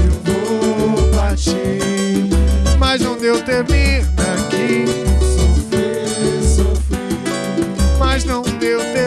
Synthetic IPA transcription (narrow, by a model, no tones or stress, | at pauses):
ewvobaʃi | ʃmajʒnɐ̃w̃d̪ewt̪eɾmiɾd̪ɐkisofɾe | sofɾi | mɐznɐ̃w̃d̪ewt̪e